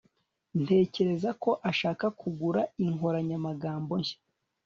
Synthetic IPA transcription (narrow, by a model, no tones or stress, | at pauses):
n̥e̞ːce̞ɾe̞zako̞ʔaʃaːkakʰuɡuɾaiŋoɾaɲamaɡaːmbo̞ɲʃḁ